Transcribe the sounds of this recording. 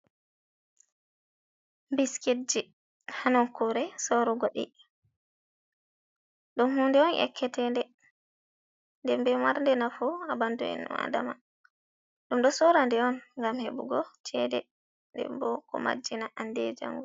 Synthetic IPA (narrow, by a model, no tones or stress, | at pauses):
mbisked͡ʒi | hanɔnkɔɾɛsoɾuɡɔɗḭ | ɗunhuːndɛɔnʔɛ̰kʰːɛtɛndɛ | ndɛmbɛmaɾndɛnafuabantuɛ̰nːɔ̰a̰dama | ɗumɗɔsɔɾandɛɔnŋɡamhebuɡɔt͡ʃʰɛdɛ | ndɛ̰mbɔkɔ̰ma̰d͡ʒːinaʔandɛd͡ʒa̰ŋɡu